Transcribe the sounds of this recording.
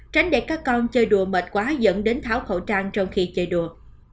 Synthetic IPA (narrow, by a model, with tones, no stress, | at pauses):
t͡ɕa˨˦jŋ̟ɗḛ˧˩kaː˦˥kːɔ˧nt͡ɕəː˧jɗu˨˩əmə˨˩t̚kwaː˨˦zə̰˧˥nɗe˨˦nt̪ʰaː˧˩wxo̰˧˩t͡ɕaː˧ŋt͡ɕɔ˧wŋ͡mxi˧t͡ɕəː˧jɗu˨˩ə